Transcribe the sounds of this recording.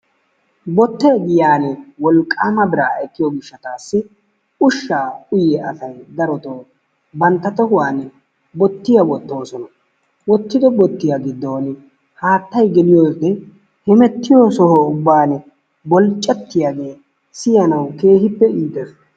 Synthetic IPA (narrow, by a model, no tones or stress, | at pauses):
bɔt̪ːɛːɡɪjaːnɛwɔlkʼːaːmɐbɪɾa̰ːɛkːɪjoɡɪʃːɐt̪aːsːɪ | ʊʃːaːkʼʊjɛʔɐsɐjd̪ɐɾɔt̪oː | bɐnt̪ːɐt̪ɔɦʊwaːn | bɔt̪ːɪjɐwɔt̪ːo̞ːsɔnɐ | wɔt̪ːɪd̪ɔbɔt̪ːɪjaɡɪd̪ːo̞ːn | haːt̪ːɐjɡɛlɪjoːd̪ɛ | hɛmɛt̪ːɪjoːsɔhɔʊbːaːn | bɔlt͡ʃʼːɛt̪ːɪjaːɡeː | sɪjɐnɐwke̞ːhɪpːɛiːt̪ːɛf